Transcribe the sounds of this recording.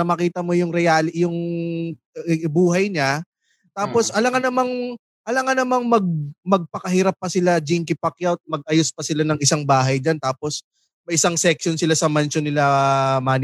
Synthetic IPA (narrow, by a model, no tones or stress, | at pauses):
ɐmɐkiːt̪ɐmojʊŋɾɛjaːljʊŋ | buːɦɐjɲa | t̪aːposʔɐlɐŋanɐmaŋ | ʔɐlɐŋanɐmaŋmɐɡ̚mɐɡ̚pɐkɐhiːɾɐpːɐsɪlad͡ʒɪŋkɪpɐkjawt̪̚mɐɡ̚ʔɐjospɐsɪlanɐŋɪsaŋbaːɦɐjd͡ʒant̪aːpos | mɐʔɪsaŋsɛk̚ʃonsɪlasɐmant͡ʃonɪlamaːn